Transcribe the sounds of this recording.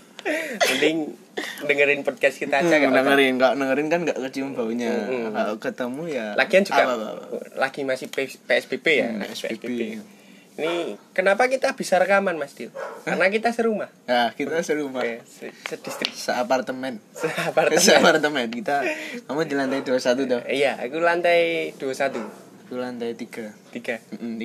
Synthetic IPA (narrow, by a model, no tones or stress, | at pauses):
und̪ɪŋ | dəŋəɾɪnpɔd̚kast̪kit̪ad͡ʒakanəŋəɾɪnkaoʔnəŋəɾɪnkanŋɡaʔkəd͡ʒiməmbauɲakalokət̪əmujalʔa̰ɡiand͡ʒuɡaaa̰laɡ̥imasɪhpepeɛsb̥ebeja̰ḛɛsbḛebe | inikənapakit̪ab̥isaɾəkamanmast̪ikaənak̬it̪asəɾumahakit̪asəɾumasəsəd̥ist̪ɾɪksəapart̪əmɛnsəapart̪əsəapart̪əmɛnkit̪akamudilant̪ajduasat̪̬ud̪ɔija̰kulant̪ajd̥uasat̪u | kulant̪ajt̪iɡ̥at̪iɡ̥am̩m̩